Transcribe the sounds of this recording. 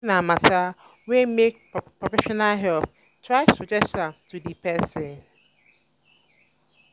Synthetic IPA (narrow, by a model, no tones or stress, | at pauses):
nãmãtʰa | wɛmek̚ | pʰɹɔfɛʃɔnalɦɛlθ | tʰɹaɪsud͡ʒɛsãmtʰudipʰɛsɛ̃n